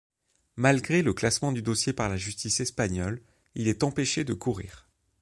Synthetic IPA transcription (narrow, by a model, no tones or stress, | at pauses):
malɡʁeləklasmɑ̃d̪yd̪osjepaʁlaʒyst̪isɛspaɲɔl | ilɛt̪ɑ̃peʃed̪əkuʁḭːʁ